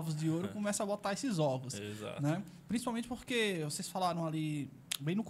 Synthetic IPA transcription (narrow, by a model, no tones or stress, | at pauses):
vʊzd͡ʒɪoɾʊkõmɛsɐabot̪aesɪzɔvʊseza̰nɛ | pɾĩsipawmẽtt͡ʃɪpoɾkevosesfalaɾɐ̃w̃ali | bẽj̃nʊk